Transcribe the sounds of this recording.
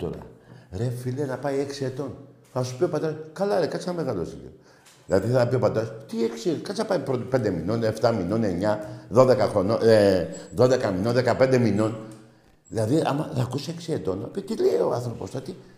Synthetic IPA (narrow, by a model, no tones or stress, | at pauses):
t̪o̰ɾɐ̰ɾe̞filenɐpɐje̞ksiet̪o̞n | θɐsu̥pio̞pɐt̪eɾɐskɐlɐɾekɐt͡senɐme̞ɣɐlo̰siʎḭo | ðilɐðiθɐɐpio̞pɐt̪eɾɐst̪ieksiekɐt͡sɐpɐjipɾot̪pe̞nd̪emino̞neft̪ɐmino̞ne̞ɲɐðo̞ðekɐxɾonoeðo̞ðekɐmino̞nðe̞kɐpe̞nd̪e̞mino̞n | ðilɐðiɐ̰mɐθɐkusieksiet̪o̞nɐpit̪ileoɐnθɾo̞po̞sθɐt̪i